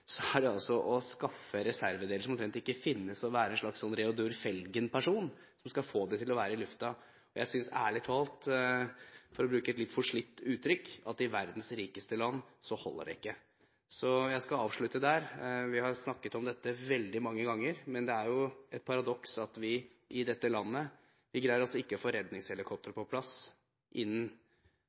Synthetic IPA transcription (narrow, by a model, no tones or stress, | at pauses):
sɔæɖɛɑlsɔʔɔskɑfːəɾɛsæɾʋəd̪eːləʂɔmɔmt̪ɾɛnt̪ɪkːəfɪnːəsɔʋæːɾəɛnʂɭɑksɔnɾɛʊd̪ʉɾfɛlɡənpʰæʂuːn | sɔmskɑfoːd̪ɛt̪ʰɪlɔʋæːɾəɪlʉft̪ɑ | ɔjʔæ̰ɪsʏnsæ̰ːɭɪt̪ʰɑːlt̪ | fɔɾɔbɾʉːkəɛt̪lɪt̪ːfɔʂɭɪt̪ːʉːt̪ʰɾʏkːɑt̪ɪʋæɾd̪n̩sɾiːkəst̪əlɑnːsɔhɔ̰lːə̰ɖ̰ɪkːə | sɔjæɪskɑɑːʋʂɭʉt̪ːəd̪æɾʋɪhɑɾsnɑkːət̪ɔmd̪ɛt̪ːəʋɛld̪ɪmɑŋːəɡɑŋːəɾmɛnd̪ɛæɾjʊɛt̪̚pʰɑɾɑd̪ɔksɑt̪ʋɪ | ʔɪd̪ɛt̪ːəlɑnːə | ʋɪɡɾæɪəɾɔsɔɪkːəfɔɾɛd̪nɪŋshɛlɪkʰɔp̚t̪əɾpʰɔpʰlɑs | ʔɪnː